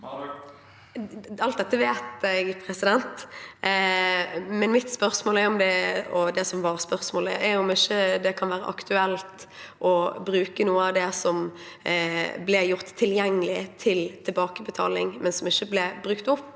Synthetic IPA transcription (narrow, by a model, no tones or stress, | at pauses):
ɑlt̪d̪ɛt̪ːəʋeːt̪æɡpʰɾɛsɪd̪ɛnt̪ | mɛnmɪt̪spœʁsmoːlɛɾʊmd̪ɛɔd̪ɛsɔmʋɑːɾʁspœɾsmoːlɪ̰ɛɾʊmɪçːəd̪ɛkʰɑnʋæːɾə̰ʔɑ̰kt̪ʰʉɛlt̪ʔɔbɾʉːkənuːəɑʋd̪ɛsɔm | blɛjʊʁt̪ʰːɪljɛŋːəlɪt̪ʰɪlt̪ʰɛlbɑːkəbət̪ʰɑ̰ːlɪŋmɛnsɔmɪçːəblɛbɾʉkt̪ʊpː